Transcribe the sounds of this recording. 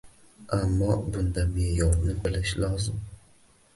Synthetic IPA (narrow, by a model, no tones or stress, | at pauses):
amːɒbʊnd̪amejɒɾnɪbɪlɪʃlɒzɪm